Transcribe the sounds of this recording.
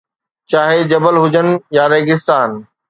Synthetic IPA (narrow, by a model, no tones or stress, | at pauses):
t͡ɕaːɦed͡ʑɐbəlɦʊd͡ʑʱənɪ̆jaːɾeːɡɪst̪aːn